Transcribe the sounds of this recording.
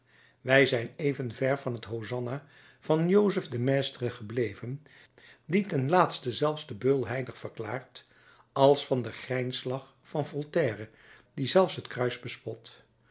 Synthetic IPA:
ʋɛjzɛjnejvənvɛɹvɑnɦətɦowzɑna | v̥ɑnjowzəfdəmeːstərəχəblejvən | ditɛnlaːtstəzɛlˠfzdəbɵlˠɦɛjdəχfəɹklaːɹt | ɑlˠsfɑndəχrɛjnslɑχ | fɑnvɔlˠtɛːrə | dizɛlˠfsɦətkrœɥzbəspɔt

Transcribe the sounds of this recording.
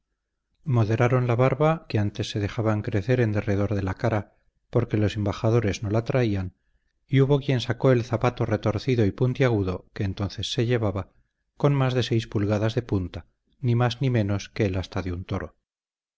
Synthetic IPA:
mo̞ðe̞ɾaɾo̞nlaβaɾβake̞ant̪e̞sːe̞ðe̞xaβaŋkɾe̞θe̞ɾe̞nd̪e̞re̞ð̞o̞ɾðe̞lakaɾa | po̞ɾke̞lo̞se̞mbaxað̞o̞ɾe̞zno̞lat̪ɾaian | iuβo̞kje̞nsako̞e̞lθapat̪o̞re̞t̪o̞ɾθiðo̞ipunt̪iaɣ̞uðo̞ke̞ːnt̪o̞nθe̞sːe̞ʎe̞βaβa | ko̞nmazðe̞se̞jspulɣaðazðe̞punt̪a | nimaznimẽ̞no̞ske̞ːlast̪aðeunt̪o̞ɾo̞̰

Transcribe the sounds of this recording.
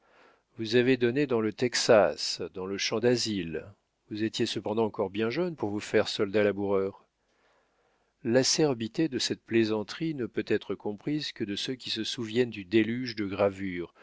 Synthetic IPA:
vuzaved̪ɔned̪ɑ̃lət̪ɛksasd̪ɑ̃ləʃɑ̃d̪azil | vuzet̪jesəpɑ̃d̪ɑ̃ɑ̃kɔʁbjɛ̃ʒœnpuʁvufɛʁsɔld̪alabuʁœʁ | lasɛʁbit̪ed̪əsɛt̪̚plezɑ̃t̪χinəpøt̪ɛt̪χəkɔ̃pχizkəd̪əsøkʲisəsuvjɛnd̪yd̪elyʒd̪əɡʁavyːʁ

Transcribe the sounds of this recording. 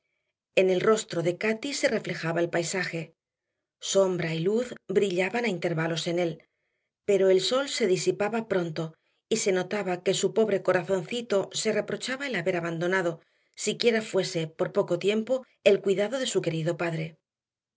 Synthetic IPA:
ene̞lro̞st̪ɾo̞ðe̞kat̪ise̞re̞fle̞xaβaelpajsaxe̞ | so̞mbɾailuθbɾiʎaβanaint̪e̞ɾβalo̞se̞ne̞l | pe̞ɾo̞e̞lso̞lse̞ðisipaβapɾo̞nt̪o̞ | ise̞no̞t̪aβake̞supo̞βɾe̞ko̞ɾaθo̞nθit̪o̞se̞re̞pɾo̞t͡ʃaβaelaβe̞ɾaβand̪o̞naðo̞ | sikje̞ɾafwe̞se̞po̞ɾpo̞ko̞t̪je̞mpo̞ | e̞lkwiðaðo̞ðe̞suke̞ɾiðo̞paðɾe̞

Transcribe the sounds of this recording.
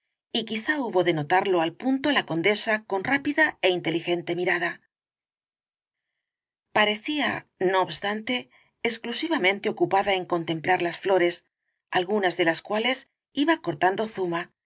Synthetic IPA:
ikiθauβo̞ðe̞no̞t̪aɾlo̞alpunt̪o̞lako̞nd̪e̞sako̞nrapiðae̞int̪e̞lixe̞nt̪e̞miɾaða | paɾe̞θiano̞ːβst̪ant̪e̞ː | sklusiβamẽ̞nt̪e̞o̞kupaðae̞ŋko̞nt̪ẽ̞mplaɾlasflo̞ɾe̞s | alɣunazðe̞laskwale̞s | iβako̞ɾt̪and̪o̞θuma

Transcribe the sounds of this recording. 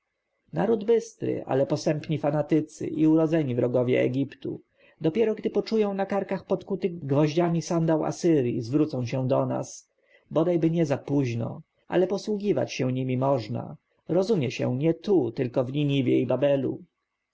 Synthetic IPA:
naɾud̪bɘst̪ɾɘ̰ʔa̰lɛpɔsɛmpɲifanat̪ɘt̪sɘ̰ʔiuɾɔd̪zɛɲivɾɔɡɔvʲjɛ̰ɛ̰ɡʲipt̪ṵ | d̪ɔpʲjɛɾɔɡd̪ɘpɔt͡ʂujɔ̃w̃nakaɾkaxpɔt̪kut̪ɘɡvɔʑd͡ʑamʲisand̪awa̰sɘɾʲjizvɾut̪sɔ̃w̃ɕɛ̃d̪ɔna̰s | bɔd̪ajbɘɲɛzapuʑnɔ̰ | ʔa̰lɛpɔswuɡʲiva̰t͡ɕɕɛ̃ɲimʲimɔʐna̰ | ɾɔzumʲjɛɕɛ̰̃ɲɛt̪ut̪ɘlkɔvlʲiɲivʲjɛ̰jbabɛlṵ

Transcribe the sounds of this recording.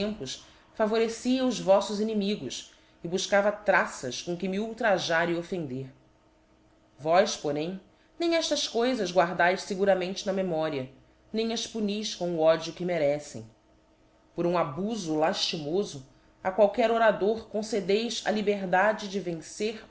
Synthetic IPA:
tẽmpʊs | favoɾesiɐʊzvɔsʊzinimiɡʊs | ɪbuʃkavɐt̪ɾasɐskõkɪmiuwt̪ɾaʒaɾɪofẽnd̪eɾ | vɔjʃpoɾẽj̃ | nẽj̃ɛʃt̪ɐskojzɐzɡwaɾd̪ajʃseɡuɾɐmẽnt͡ʃɪnɐmemɔɾiɐ | nẽj̃ɐʃpunijʃkõʊɔd͡ʒʊkɪmeɾɛsḛ̃j̃ | poɾũabuzʊlaʃt͡ʃimozʊ | akwawkɛɾoɾad̪oɾkõsed̪ejzɐ̰libeɾd̪ad͡ʒɪd͡ʒɪvẽseɾ

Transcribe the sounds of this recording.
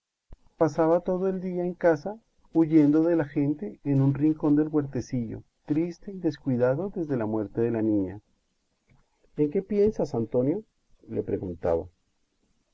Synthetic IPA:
pasaβat̪o̞ð̞oe̞ld̪iaeŋkasa | uʝe̞nd̪o̞ðe̞laxe̞nt̪e̞ːnunriŋko̞nd̪e̞lɣwe̞ɾt̪esiʝo̞̰ | t̪ɾist̪e̞iðe̞skwiðaðo̞ðe̞zðe̞lamwe̞ɾt̪e̞ðe̞lanĩɲa | eŋke̞pje̞nsasant̪o̞njo̞ | lepɾe̞ɣunt̪a̰βa̰

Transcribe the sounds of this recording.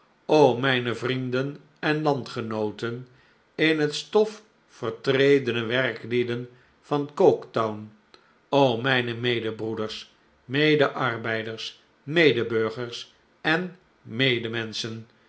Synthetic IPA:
owmɛjnəvrindən | ɛnlɑntχənowtən | ɪnɦətstɔf | fəɹtrejdənəʋɛrklidən | v̥ɑnkowktawn | owmɛjnəmejdəbrudəɹs | mejdəʔɑrbɛjdəɹs | mejdəbøɹχəɹs | ɛn | mejdəmɛnsən

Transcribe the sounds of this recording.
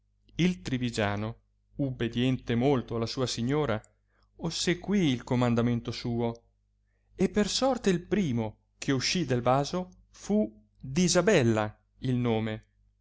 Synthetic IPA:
ilt̪ɾivid͡ʒaːno | ubːed̪jɛnt̪emolt̪oalːasuːasiɲːoːɾa | osːeɡwiːlkomand̪ament̪osuːo | epːersɔrt̪eilpɾiːmo | k̟ʰeuʃːid̪elvaːzo | fu | d̪izabɛlːa | ilnoːme

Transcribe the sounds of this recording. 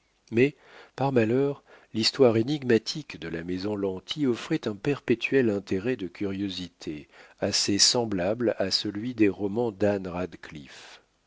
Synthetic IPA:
mɛ | paʁmalœʁlist̪waʁeniɡmat̪ʰikd̪əlamezɔ̃lɑ̃t̪ʰiɔfχɛt̪ɛ̃pɛʁpet̪ʰɥɛlɛ̃t̪eʁɛd̪əkʲyʁjozit̪ʰeasesɑ̃blablasəlɥid̪eʁɔmɑ̃d̪anʁad̪klḭf

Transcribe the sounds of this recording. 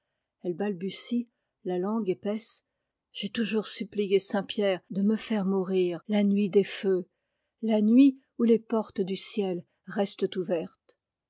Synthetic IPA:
ɛlbalbysi | lalɑ̃ɡepɛs | ʒ̥ɛt̪uʒuʁsyplijesɛ̃pjɛʁd̪əməfɛʁmuʁiːʁlanɥid̪efø | lanɥi | ulepɔʁt̪d̪ysjɛl | ʁɛst̪t̪uvɛʁt̪

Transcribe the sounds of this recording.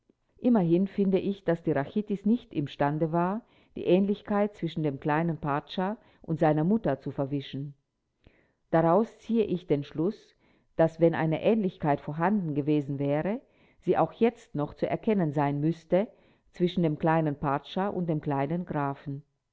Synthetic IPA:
ʔɪmɐɦɪnfɪndəʔɪçd̥asd̥iːʁaçitɪsnɪçtɪmʃtandəvaːɐ | d̥ḭːʔɛːnlɪçkʰaɪt̚t͡sv̥ɪʃn̩deːmkl̥aɪnənpaɐʃa | ʔʊntz̥aɪnɐmʊtɐt͡sufɛɐvɪʃn̩ | d̥aʁaʊst͡siːəʔɪçd̥eːnʃlʊs | d̥asv̥ɛnʔa̰ɪnəʔɛːnlɪçkʰaɪtfoɐɦandn̩ɡəveːzn̩vɛːʁə | z̥iːʔaʊxjɛt͡stnɔχt͡suʔɛ̰ɐkʰɛnənzaɪnmʏstə | t͡sv̥ɪʃn̩deːmkl̥aɪnənpʰaɐʃaʔʊ̰nt̚d̥eːmkl̥aɪnənɡʁaːfn̩

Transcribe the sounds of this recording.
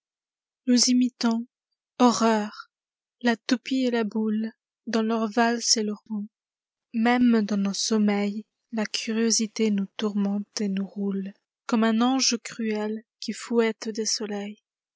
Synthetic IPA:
nuzimit̪ɔ̃ | ɔʁœʁ | lat̪upielabul | d̪ɑ̃lœʁvalseləʁɔ̃ | mɛmd̪ɑ̃nosɔmɛj | lakʲʰyʁjozit̪enut̪uʁmɑ̃t̪enuʁul | kɔmɛ̃nɑ̃ʒkχyɛlkʲʰifwɛt̪d̪esɔlɛj

